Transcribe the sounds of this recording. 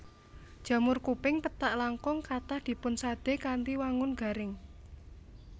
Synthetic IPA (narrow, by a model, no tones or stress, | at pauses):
d̥ʒ̥a̤mʊrkupɪŋpət̪aʔlaŋkʊŋkat̪ahd̪̥i̤pʊnsad̪̥e̤kant̪iwaŋʊnɡ̥a̤ɾɪŋ